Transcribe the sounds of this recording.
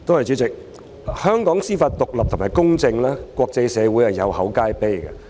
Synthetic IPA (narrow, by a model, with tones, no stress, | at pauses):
t̪o˥whɐ˨jt͡si˨˥t͡sɪ˨k̚ | hœː˥ŋkɔː˨˥ŋsiː˥fɐ˧t̚t̪ʊ˨k̚lɐ˨p̚t̪ʊ˨˩maː˨˩jkʊ˥ŋt͡sɪ˧ŋlaː˥kʷɔː˧k̚t͡sɐ˧jsɛː˨˧wu˨˥jhɐ˨˩jɐ˨˧whɐ˨˥wkaː˥jpe˥jkɐ̰˧